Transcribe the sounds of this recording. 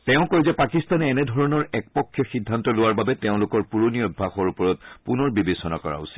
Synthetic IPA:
tɛʊ̃kɔɹizɛpakistanɛːnɛdʱɔɹɔnɔɹɛk̚pɔkʰːjɔxidʱːantɔlʊwaɹbabɛtɛʊ̃lʊkɔɹpuɹoniɔbʱːaxɔɹupɔɹɔt̚punɔɹbibesɔna̰kɔɹa̰ṵsi̥

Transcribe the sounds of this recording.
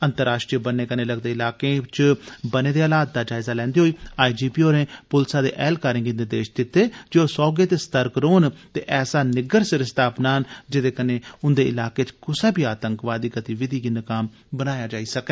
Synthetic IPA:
ənt̪əɾːaːʃʈɾiəbənːeːkənẽːləɡd̪eːɪlaːkẽːt͡ʃbəneːd̪eːaːlaːt̪̚d̪aːd͡ʒaːɪzaːlɛ̃ːnd̪eɦoːiːaːid͡ʒiːpiːoːɾẽːpʊlsaːd̪ḛːʔɛːlkaːɾɪ̃ŋɡind̪ed̪eːʃd̪ɪt̪ːeːd͡ʒeoːsɔːɡeːt̪eːst̪əɾkɾoːnt̪ḛːʔɛːsaːnɪɡəɾsɾɪst̪ʰaːpnaːnd͡ʒɪd̪eːkənẽːʊnd̪eːɪlaːkeːt͡ʃkʊsaːbiːaːt̪əŋkʋaːd̪iːkət̪iːʋɪd̪ʱiːɡinəkaːm | bənaːjaːd͡ʒaːiːsəkɛː

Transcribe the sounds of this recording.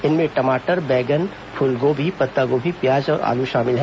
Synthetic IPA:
ɪnmẽʈɐmaːʈəɾbɛːɡən | pʰʊlɡoːbʱipɐt̪ːaɡobʱipjaːd͡ʒɔːɾa̰ːluʃaːmɪlɦɛ

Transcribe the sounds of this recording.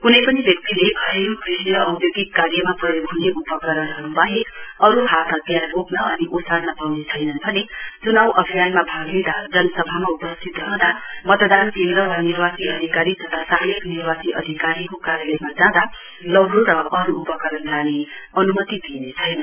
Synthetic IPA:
kunʌjpʌnibjʌk̚t̪ileʔʌeɾukrisjʌʌwt̪joɡikːaɾjʌmapʌbʱuneʔupʌkʌɾʌnɦʌɾubʌɦeʌɾuɦat̪ʰat̪jarbʱoknʌʌniʔosadnabawnet͡sʰʌjnʌnbʱʌnet͡sunawʔʌbʱijanmabʱaɡed̪ad͡zʌnʌsʌbʱamaupʌst̪ʰit̪ɾʌɦd̪amʌt̪d̪ankend̪ɾʌwaniɾwasiʌd̪ʱikaɾit̪ʌt̪ʰasaliknirwasiʔʌd̪ʱikaɾikokaɾjʌlʌmad͡zãd̪a | lʌbɾoɾʌʔʌɾuːpʌkʌɾʌnlaneʌnumʌt̪id̪ʱinet͡sʰʌjnʌn

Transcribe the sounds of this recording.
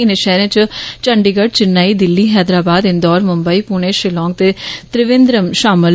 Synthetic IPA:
ɪnɪʃɛːɾẽt͡ʃt͡ʃəɳɖiːɡəʈt͡ʃɪnːaːiːd̪ɪlːiːɦɛːd̪ɾaːbaːd̪ɪnd̪ɔːɾmʊmbəiːpuːɳ̃eːʃɪlɔ̃ːŋɡ̚t̪eːt̪ɾɪʋɪ̃nd̪ɾəmʃaːmɪl

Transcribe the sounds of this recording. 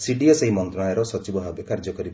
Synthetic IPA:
siɖiɔseɦimɔnt̪ɾɔajɔɾɔsɔt͡ʃibɔbʱabekaɾd͡ʒɔkɔɾib

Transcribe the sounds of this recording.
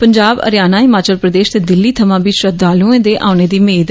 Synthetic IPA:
pəɲd͡ʒaːbə̰ɾjaːnaːɦɪmaːt͡ʃəlpɾəd̪eːʃt̪eːd̪ɪlːiːt̪ʰəmãːbiːʃɾəd̪aːlũːẽːd̪eːʔa̰ːʊneːd̪iːmeːd̪

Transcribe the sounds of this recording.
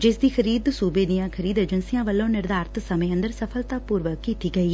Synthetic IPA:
d͡ʒɪsd̪iːkʰəɾiːd̪suːbeːd̪ɪjãːkʰəɾiːd̪eːd͡ʒənsɪjãːʋəlːõːnɪɾd̪aːɾt̪səmẽːə̃nd̪əɾsəpʰəlt̪aːpuːɾʋəkːiːt̪iːɡəiː

